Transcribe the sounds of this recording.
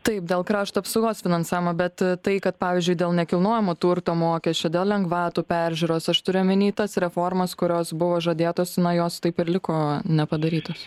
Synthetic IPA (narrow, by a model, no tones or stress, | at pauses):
t̪ɐɪp̚d̪ʲeːlˠkɾɑːʃt̪oɐpsɐʊɡoːsfʲɪnɐnsɑːʋʲɪmɐbʲɛt̪t̪ɐɪkɐt̪pɑːʋʲɪːzʲd͡ʒʲʊɪd̪ʲeːlˠnʲɛkʲɪlˠnoːjɛmoːt̪uɾt̪oːmoːkʲɛsʲt͡ʃʲɛːd̪ʲeːlˠlʲɛŋɡʋɑːt̪uːpʲæɾʲʒʲʊɾoːsɐʃt̪ʊɾʲʊmʲɪnʲiːt̪ɐsɾʲɛfoːrmɐskʊɾʲoːsbʊʋoːʒɐd̪ʲeːt̪oːsnɐjoːst̪ɐɪpɪɾlʲɪkoːnʲɛpɐd̪ɐɾʲiːt̪oːs